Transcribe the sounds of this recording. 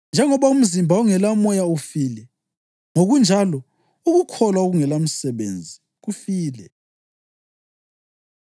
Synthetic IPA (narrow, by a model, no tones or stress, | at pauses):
nd͡ʒʱɛŋɔβaum̩zimbʱauŋɛlamɔjaufiːlɛ | ŋoɣund͡ʒʱalɔ | uɣukʰɔlwaoɣuŋɛlam̩sɛβḛnd͡zʱi | ɣufiːlɛ